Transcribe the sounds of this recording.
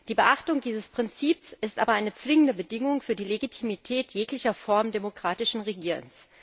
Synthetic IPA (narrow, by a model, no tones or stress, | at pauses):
d̥iːbəʔaχtʊŋdiːzəspʁ̥ɪnt͡siːpsɪstʔa̰ːbɐʔaɪnət͡sv̥ɪŋəndəbədɪŋʊŋfyːɐdiːleɡitʰimitʰɛːtjeːklɪçɐfɔɐmdemokʁ̥aːtɪʃn̩ʁeɡiːʁə̰ns